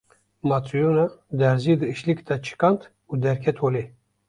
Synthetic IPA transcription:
mɑt̪ʰujonad̪æɾzid̪ɨɨʃlikt̪at͡ʃʰɨ̥kɑnt̪ | ud̪ɛɾkʰɛt̪ʰole

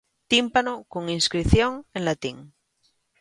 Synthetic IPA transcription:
t̪impanokoŋinskɾiθjoŋẽnlat̪iŋ

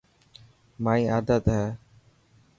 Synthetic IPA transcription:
maːĩːaːd̪ət̪ɦɛː

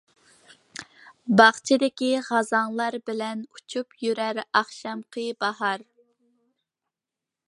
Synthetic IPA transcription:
bɑχt͡ʃʰɪd̪ɪkʲiʁɑzɑŋlˠɑɾbɪlɛnut͡ʃʰupjyɾæɾɑχʃɑmqʰəbɑhɑɾ

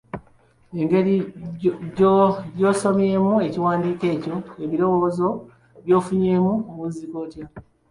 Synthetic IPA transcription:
e̞ŋɡe̞ɾi | ɟjo̞ːso̞mje̞ːmue̞ciwaːndiːke̞ːco̞eβiɾo̞wo̞ːzo̞ | βjo̞ːfuɲe̞ːmumuziko̞ːtja

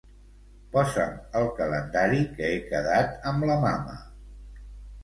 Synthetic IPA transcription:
pɔzəməlˠkələnd̪aɾikəekəðat̪əmləmamə̰

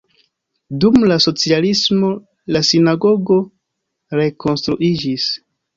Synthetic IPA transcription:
dumlaso̞t͡sialismo̞ | lasinaɡo̞ɡo̞ | ɾe̞ko̞nstɾuʔid͡ʒis

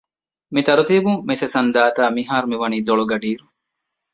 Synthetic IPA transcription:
mit̪ɐɾut̪iːbuŋmesɐsɐnd̪aːt̪aːmiɦaːɾumiʋɐniːd̪oɭoɡɐɖiːɾu

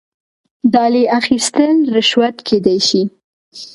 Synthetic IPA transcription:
d̪ɑleʔaxist̪əlɾɪʃwat̪kʰed̪ajʃi

